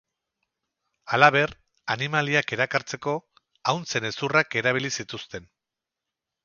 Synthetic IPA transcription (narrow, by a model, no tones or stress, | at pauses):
alaβe̞r | animaliake̞ɾakaɾt͡se̞ko̞ | awnse̞ne̞surake̞ɾaβ̞ilisit̪ust̪e̞n